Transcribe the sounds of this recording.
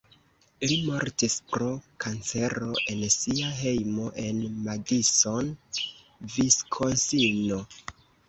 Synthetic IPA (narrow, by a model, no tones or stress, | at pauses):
limoɾtispɾo̞kʰant͡se̞ɾo̞ʔe̞nsiaɦe̞jmo̞ʔe̞nmadiso̞n | viskʰosino̞